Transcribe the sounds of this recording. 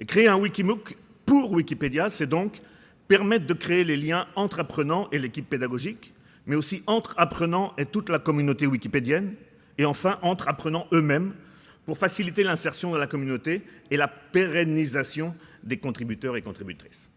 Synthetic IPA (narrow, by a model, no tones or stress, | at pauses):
ekχeeɛ̃wikʲimuk | puʁwikʲiped̪jasɛd̪ɔ̃k | pɛʁmɛt̪χd̪əkχeeleljɛ̃ɑ̃t̪χapχənɑ̃ʔelekʲipːed̪aɡɔʒik | mɛosiʔɑ̃t̪χapχənɑ̃ʔet̪ut̪lakɔmynot̪ewikʲiped̪jɛn | eɑ̃fɛ̃ʔɑ̃t̪χapχənɑ̃ʔømɛm | puʁfasilit̪elɛ̃sɛʁsjɔ̃d̪əlakɔmynot̪eːlapeʁɛnizasjɔ̃d̪ekɔ̃t̪χibyt̪œʁekɔ̃t̪χibyt̪χi̥s